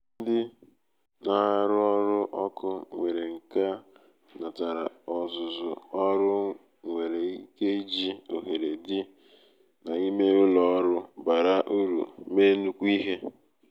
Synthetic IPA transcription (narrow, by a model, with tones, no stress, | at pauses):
n̩˦dɪ˦ | na˦˨ɾʊ˦ɔ˦ɾʊ˦ʔɔ˦kʊ˦ŋʷe˨ɾe˨ŋ̩˨ka˦ | na˨ta˨ɾa̰˨ɔ˨zʊ˨zʊ̰˨ɔ˦ɾʊ˦ | ŋʷe˨ɾe˨i˦ke˦d͡ʒi˦o̰˨ɦe˨ɾe˨dɪ˦ | na˨i˦me˦ʊ˦lɔ˦ɾʊ˦ba˨ɾa˦ʔu˦ɾṵ˨me˦nu˦kʷu˦i˦ɦe˦